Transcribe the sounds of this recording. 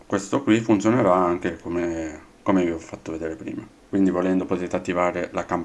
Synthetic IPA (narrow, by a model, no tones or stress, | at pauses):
kwest̪okwifːunt̪sjoneɾaaŋk̟ekomekomeviɔfːat̪ːoved̪eːɾepɾḭːma | kwind̪ivolɛnd̪opot̪et̪eat̪ːivaːɾelakamp